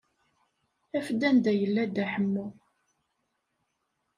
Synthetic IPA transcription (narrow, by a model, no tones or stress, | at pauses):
æfd̪ænd̪æjəlːæd̪æħəmːʊ